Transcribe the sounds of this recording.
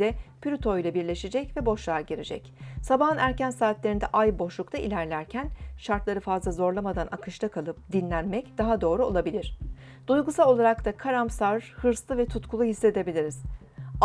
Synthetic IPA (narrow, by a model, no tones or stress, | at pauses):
ɛpʰyɾʲyt̪ʰojlʲˠabiɾlʲe̞ʃed͡ʒɛcvɛbo̞ʃlˠaɾɟeɾed͡ʒɛ̰csabaɦɯnæɾcænsaːt̪lʲeɾind̪ɛʔajbo̞ʃlˠukt̪ʰaḭlʲæɾlʲæɾcʰænʃaɾt̪lˠaɾɯfazlˠazo̞ɾlˠamad̪anakʰɯʃt̪ʰakʰalˠɯp̚d̪inlʲænmɛcd̪̥aɦad̪o̞ːɾuo̞̰lˠabilʲiɾ̥ | d̪̥ujɡusalˠo̞lˠaɾakt̪ʰakʰaɾamsaɾhɯɾslˠɯvɛt̪ʰut̪kʰulˠuɦisːe̞d̪e̞bilʲiɾiz̥